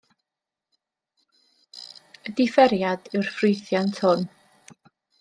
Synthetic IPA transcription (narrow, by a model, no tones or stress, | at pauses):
ədɪfɛɾjad̥ɪwrfrɪjθjantʰhʊn